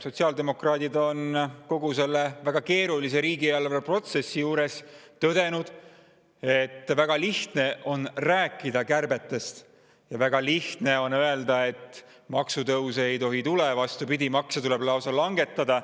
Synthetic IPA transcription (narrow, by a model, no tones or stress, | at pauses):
so̞t̪siɑːld̪e̞mo̞krɑːd̪̥id̪o̞nko̞ɡ̥use̞lːevæɡ̥ɑke̞ːɾulis̬e̞ɾiːɡieɑlvpro̞t̪se̞sːijuːɾe̞st̪ø̞d̪e̞nud̪̥ | e̞t̪ːvæɡ̥ɑliht̪ne̞ʔo̞nræːkːˑid̪̥ɑkærbe̞t̪ːˑe̞st̪ | jɑvæɡ̥ɑliht̪ne̞o̞nøe̞ld̪ɑe̞t̪ː | mɑksut̪ɤwsejt̪o̞ɦit̪ule̞vɑst̪upid̪ʲimɑksjɑt̪ule̞blɑwsɑlɑŋɡe̞t̪ːˑɑd̪ɑ